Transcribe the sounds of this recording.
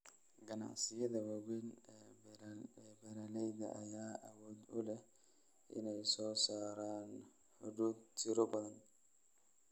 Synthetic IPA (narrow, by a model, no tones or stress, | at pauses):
ɡɐna̰ʕsɪjɐðɐwɐwɛnː | ɛbɛɾalɛjðɐ̰ʔɐjaːʔɐwɔːd̪ʊlɛh | ʔɪ̰nɛjsɔːsaːɾaːn | ħʊd̪uːd̪t͡ʃɪɾɔbɐðɐn